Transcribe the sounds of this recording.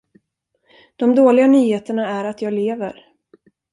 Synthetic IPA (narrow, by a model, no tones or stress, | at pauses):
d̪̥ɔmd̪oːlɪɡanyːheːt̪əɳaæɾat̪jɑːɡleːvə̰ɾ